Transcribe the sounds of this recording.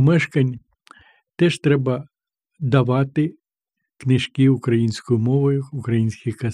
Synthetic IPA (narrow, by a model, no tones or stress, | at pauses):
mɛʃkɐnʲ | t̪ɛʃt̪ɾɛbɐ | d̪ɐʋɑt̪ɪ | knɪʃkʲiʊkɾɐjinʲsʲkʊjʊmɔʋʊjʊʊkɾɐjinʲsʲkʲixkɐ